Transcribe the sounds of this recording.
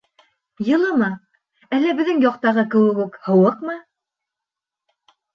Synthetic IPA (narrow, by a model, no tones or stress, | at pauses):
jɤ̆lˠɤmɤ | ælːæbɘ̆ðːɘŋjɒqt̪ɑʁɤkɘ̆wɘ̆kʉkhɤ̆wɤqmɤ